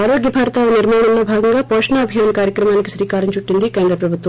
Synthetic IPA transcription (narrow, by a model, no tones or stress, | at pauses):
aːɾoːɡjɐbʱaːɾɐt̪aʋɐniɾmaːɳɐmloːbʱaːɡɐŋɡaːpoːʂɐnaːɐbʱijaːnɐkaːɾjɐkɾɐmaːnikiʃɾiːkaːɾiɲt͡ʃuʈːind̪ikeːnd̪ɾɐpɾɐbʱut̪ʋɐ